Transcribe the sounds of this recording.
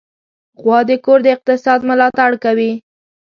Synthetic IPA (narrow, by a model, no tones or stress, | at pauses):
ɣwɑd̪əkoɾd̪əɪq̚t̪ɪsɑd̪mʊlɑt̪aɽkawi